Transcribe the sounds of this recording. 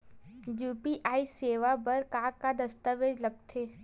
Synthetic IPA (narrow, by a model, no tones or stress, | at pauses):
juːpiʔaːiseːʋabɐɾkaːkad̪ɐst̪əʋeːd͡ʒlɐɡ̚t̪ʰeː